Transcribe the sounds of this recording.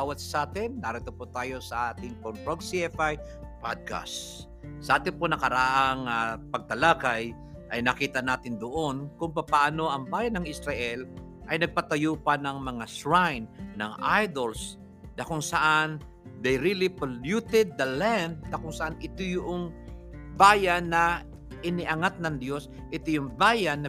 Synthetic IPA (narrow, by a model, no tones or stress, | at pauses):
bawɐt̪ssaːt̪ɛnːaɾɛt̪opot̪aːjo̞sɐʔaːt̪ɪŋpontɾoɡsiɛfaj | pad̪̚ka̰sː | ɐʔaːt̪ɪnponɐkɐɾaʔaŋapɐɡ̚t̪ɐlaːkaj | ʔɐjnɐkiːt̪ɐnaːt̪ɪnd̪oʔonkʊŋpɐpaaːno̞ʔɐŋbaːjɐnɐŋɪsɾɐʔɛl | ʔɐjnɐɡ̚pat̪ɐjuːpanɐŋmɐŋasɹajnːɐ̰ŋʔajd̪ols | nɐkʊŋsɐʔan | d̪ɛjɾilɪpɐljut̪ɛd̪̚ːɐland̪̚nɐkʊŋsɐʔanɪt̪ojʊʔoŋbaːjanːɐ | ʔɪnɪʔɐŋat̪̚nɐŋd̪jo̞s | ʔɪt̪ojʊŋbaːjanːɐ